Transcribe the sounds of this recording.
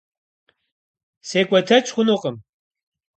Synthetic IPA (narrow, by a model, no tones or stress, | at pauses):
seːkʷʼɐtʰɐt͡ʃʰʼχʷʊnuqʼəm